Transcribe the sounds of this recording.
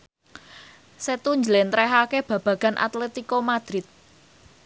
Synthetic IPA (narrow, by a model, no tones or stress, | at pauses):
set̪uɲd͡ʒlɛnt̪ɾɛɦakeb̥ä̤b̥ä̤ɡ̥anʔa̰t̪lɛt̪ikomad̪̥ɾɪt̪̚